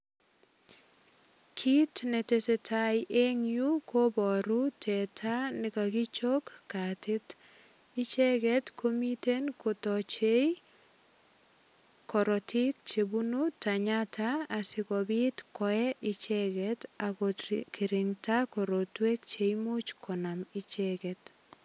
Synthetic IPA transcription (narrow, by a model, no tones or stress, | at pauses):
kʰitnetesetʰajʔeŋjukʰobɔɾutʰɛtʰanɪkakɪt͡ʃokːatɪt | ɪt͡ʃɛɡɛtkʰomitenkotɔt͡ʃej | kɔɾɔtʰɪk̚t͡ʃebunutaɲataːsɪkɔbitkɔɛʔɪt͡ʃɛkɛtakɔkʰɪɾɪŋtakɔɾɔtwek̚t͡ʃejmot͡ʃkʰɔnamɪt͡ʃɛkɛt